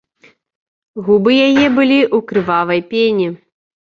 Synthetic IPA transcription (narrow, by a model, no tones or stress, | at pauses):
ɣubɨjajɛbɨlʲiʔukɾɨvavɐjpʲenʲi